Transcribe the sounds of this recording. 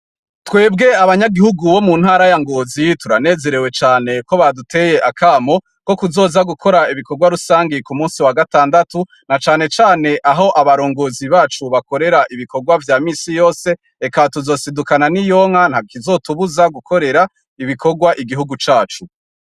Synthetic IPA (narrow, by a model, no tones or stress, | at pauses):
twe̞ːb̚ɡe̞aβaɲaɡihuɡuβo̞munhaːɾajaŋɡo̞ːzituɾane̞ːze̞ɾe̞we̞t͡ʃaːne̞ko̞βadutʰe̞ːje̞ʔakʰaːmo̞ | ko̞kuzo̞ːzaɡukʰo̞ɾaiβiko̞ɡwaɾusaːŋɡikumuːnsiwaɡataːndatu | nat͡ʃaːne̞t͡ʃaːne̞ʔaɦo̞ʔaβaɾo̞ːŋɡo̞ːziβaːt͡ʃuβako̞ɾe̞ɾaʔiβikoɡwavjaːmiːsijo̞ːse̞ | ekatuzo̞ːsidukananijo̞ŋ̥an̥hakizo̞tuβuzaɡukʰo̞ɾe̞ɾa | iβiko̞ɡwaʔiɡiɦuɡut͡ʃaːt͡ʃu